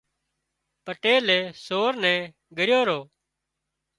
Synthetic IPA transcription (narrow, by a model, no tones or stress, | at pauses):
pəʈeːleːsoːɾnɛ̃ː | ɡəɾjoːɾoː